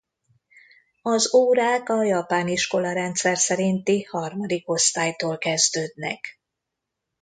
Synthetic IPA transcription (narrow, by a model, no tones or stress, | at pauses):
ɒzoːɾaːkɒjɒpaːniʃko̞lɒɾɛnt̪sɛrsɛɾint̪ihɒrmɒd̪iko̞st̪aːjt̪oːlkɛzd̪øːd̪nɛ̰k